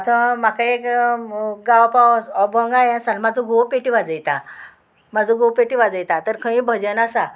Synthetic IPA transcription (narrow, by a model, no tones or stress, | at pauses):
at̪ãmakaek | ɡaʋapaɔbəŋɡajãsalmad͡zʱõɡowpeʈiʋad͡zəjt̪a | mad͡zʱõɡowpeʈiʋad͡zəjt̪at̪əɾkʰə̃ĩbʱəd͡ʑənasa